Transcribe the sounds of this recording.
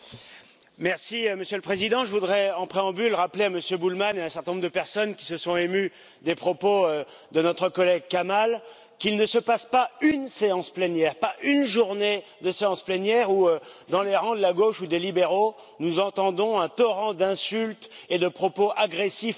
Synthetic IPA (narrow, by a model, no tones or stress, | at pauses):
mɛʁsiməsjøləpχezid̪ɑ̃ʒəvud̪ʁɛɑ̃pχeɑ̃bylʁapleaməsjøbulmaneɛ̃sɛʁt̪ɛnɔ̃ʁd̪əpɛʁsɔnkʲi̥səsɔ̃emy | d̪epχɔpoø | d̪ənɔt̪χəkɔlɛɡ̚kamal | kilnəsəpaspaynseɑ̃splɛnjɛʁpaʔynʒuʁned̪əseɑ̃splɛnjɛʁuød̪ɑ̃leʁɑ̃d̪əlaɡoʃud̪elibeʁo | nuzɑ̃t̪ɑ̃d̪ɔ̃ɛ̃t̪ɔʁɑ̃d̪ɛ̃sylt̪ed̪əpχɔpoʔaɡʁesif